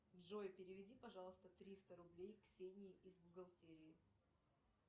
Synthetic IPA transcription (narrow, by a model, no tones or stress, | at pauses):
dʐojpʲɪɾʲɪvʲɪdʲipɐʐɑlˠəst̪ət̪ɾʲist̪əɾʊblʲejksʲenʲɪɪʔizbʊɡɐlˠtʲeɾʲɪɪ